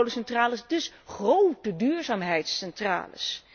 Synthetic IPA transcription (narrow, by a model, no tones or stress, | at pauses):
wlosɛntraːləsdɵsχrowtədyːɹzaːmɦɛjtsɛntra̰ːlə̰s